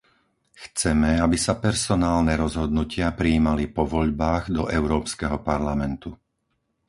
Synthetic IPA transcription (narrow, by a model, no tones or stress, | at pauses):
xt͡sɛmɛabisapɛɾsɔnaːlnɛɾɔzɦɔd̪nucɪapɾiːmalipɔʋɔʎbaːɣd̪ɔʔɛʊɾɔːpskɛɦɔpaɾlamɛnt̪u